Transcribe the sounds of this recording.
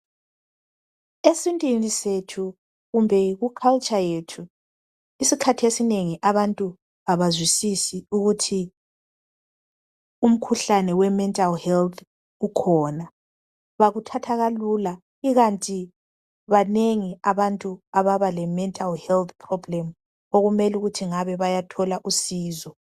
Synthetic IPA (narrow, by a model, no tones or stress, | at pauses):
esintʼinisetʰu | ɣumbʱɛɣukʰalt͡ʃʼajetʰu | isikʰatʰesineŋiʔaβantʼu | aβazwisisiuɣutʰi | um̩kʰuɬanɛwɛmɛntʼalhɛlt̪ʰ | ukʰɔːna | βaɣutʰatʰaɣalula | iɣantʼi | βaneŋiaβantʼuaβaβalɛmɛntʼalhɛlt̪ʰpʰrɔblɛm | oɣumɛluɣutʰiŋaβɛβajatʰɔlaʔusiːzɔ